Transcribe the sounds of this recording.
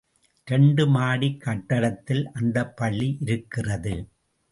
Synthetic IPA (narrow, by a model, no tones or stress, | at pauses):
ɾɛɳɖɯmaːɽikːɐʈːɐɾɐt̪ːɪlʔɐnd̪ɐpːɐɭːiʔɪɾɯkːɪrɐðɯ